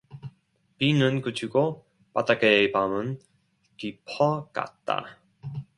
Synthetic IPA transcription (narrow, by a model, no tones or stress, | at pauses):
pinɯnkɯt͡ɕʰuɡo | patakeepamɯn | kipʰʌka̰t̚t͈a̰